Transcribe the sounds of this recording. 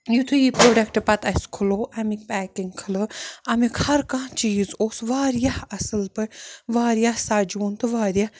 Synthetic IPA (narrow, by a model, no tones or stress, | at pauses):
jut̪ʰujipɾoːɖɐkʈpɐt̪ɐskʰuloːʔɐmik̚pɛːkiŋɡkʰɨlɨɐmikhɐɾkãːt͡ʃiːzoːsʋaːɾjahɐsɨlpɨʋaːɾjahsaːd͡ʒuːnt̪ɨʋaːɾija